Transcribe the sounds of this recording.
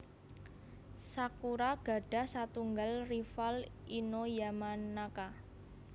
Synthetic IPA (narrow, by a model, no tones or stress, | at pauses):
sakuɾaɡ̥a̤ɖ̥a̤sat̪uŋɡalrifalinojamanaka